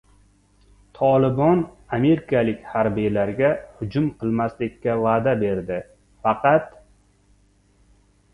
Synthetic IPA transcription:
t̪ʰɒlɪbɒn | ame̞ɾɪkʰalɪkʲhaɾbijlaɾɡʲahʊd͡ʒʊmqʰɨlˠmaslɪkʲːavaːd̪abe̞ɾd̪ɪ | fɑqʰɑt̪

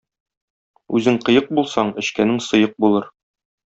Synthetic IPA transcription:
ʉzɘŋqɤ̆jɤq̚bulˠsɑɴɘ̆ɕkænɘŋsɤ̆jɤq̚bulˠɤɾ

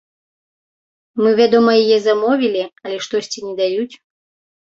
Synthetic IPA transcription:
mɨvʲad̪ɔmɐjijɛzamɔvʲilʲiɐlʲɛʂt̪ɔsʲt͡sʲinʲɛd̪ajut͡sʲ

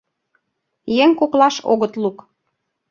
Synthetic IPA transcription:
jeŋkoklɑʃo̰ɣət̪luk

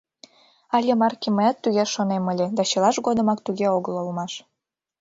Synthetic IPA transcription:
ɑlʲemɑrkʲiməjɑt̪ːuɣʲeʃonemə̆lʲed̪ɑt͡ɕɤlˠɑʃɡod̪ə̆mɑkt̪uɣeoɣəlˠolmɑʃ

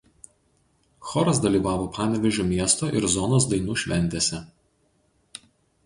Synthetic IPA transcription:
xɔːɾɐs̬d̪ɐlʲiːˑʋɑːʋoːpɑːnʲɛʋʲɛʒʲuːmʲiɛst̪oːʔɪɾzɔnoːs̬d̪ɐɪnuːʃʲʋʲɛnʲt̪ʲeːsʲɛ

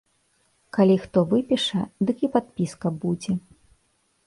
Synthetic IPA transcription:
kalʲixt̪ɔvɨpʲiʂɐ̰d̪ɨkipat̪̚pʲiskɐbud͡zʲɛ

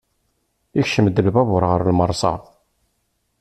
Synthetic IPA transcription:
içʃəmd̪əlbævəɾˤʁəɾlməɾˤsˤɑ̰

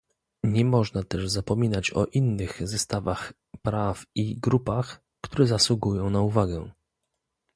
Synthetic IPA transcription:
ɲɛmɔʐnat̪ɛʐzapɔmʲinat͡ɕɔ̰ʔinːɘxzɛst̪avax | pɾafiɡɾupax | kt̪uɾɛzaswuɡujɔ̃w̃nauvaɡɛ

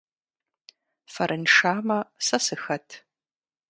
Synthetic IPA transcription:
fɐɾʔɨnʂaːmɐsɐsɨxɐtʰ

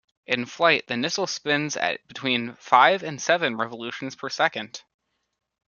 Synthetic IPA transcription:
ʔɨ̃nflaɪt̪̚ðɨnɪsl̩ˠspɪ̃nzɨ̰t̚b̥ɨtʰw̥ĩnfaɪvɨ̃nsɛvɨ̃nɹɛvəlʉʃn̩z̥pʰə˞sɛkɨ̃nd̥

